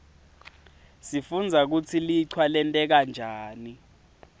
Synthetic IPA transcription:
sifund͡zʱak̬ut͡sʰiliǀʰwalɛntʼɛk̬and͡ʒʱaːni

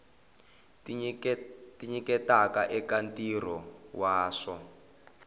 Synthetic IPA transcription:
tiɲikɛtakaʔɛkantʼirɔwaːʂɔ

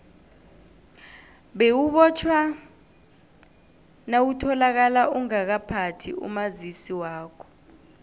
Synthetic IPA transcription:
ɓewuɓɔt͡ʃʰwa | nawutʰɔlak̬alauŋak̬apʰatʰḭṵmazisiwaːkʰɔ̥

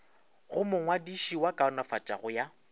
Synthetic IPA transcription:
ɣʊmʊŋwadiʃiwakʼaʊnɔfat͡ʃʼaɣʊja

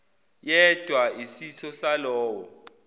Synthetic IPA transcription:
jɛd̥ʱwaisiɬʰɔsalɔːwɔ

